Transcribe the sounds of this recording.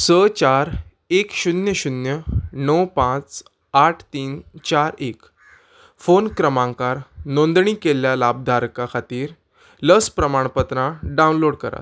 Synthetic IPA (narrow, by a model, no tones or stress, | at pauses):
sət͡ɕaɾ | ekɕunjəɕunjənəwpãt͡s | aʈʰt̪iːnt͡ɕaɾek | fonkɾəmãŋkaɾnond̪ɳiːkeljalabd̪ʱaɾkakʰat̪iːɾ | ləspɾəmaɳ̃pət̪ɾãɖãwũnloɽkəɾa̰t̪